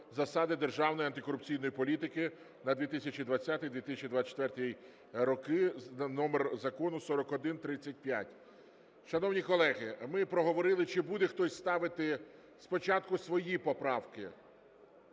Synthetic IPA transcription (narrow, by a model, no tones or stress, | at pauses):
zɐsɑd̪ɪd̪erʒɑwnɔjiɐnt̪ɪkɔɾʊp̚t͡sʲijnɔjipɔlʲit̪ɪkɪ | nɐd̪ʋʲit̪ɪsʲɐt͡ʃʲid̪ʋɐt͡sʲːat̪ɪjd̪ʋʲit̪ɪsʲɐt͡ʃʲid̪ʋat͡ʃɛ̥t̪ʋɛrt̪ij | ɾɔkɪnɔmerzɐkɔnʊsɔɾɔkɔd̪ɪnt̪ɾɪt͡sʲːɐt̚ʲpjatʲ | ʃɐnɔwnʲikɔlˠɛɣɪmɪpɾɔɦɔʋɔɾɪlˠɪt͡ʃɪbud̪ɛxt̪ɔsʲst̪ɑʋɪt̪ɪ | spɔt͡ʃɑt̪̚kʊsʋɔjipɔpɾɑwkɪ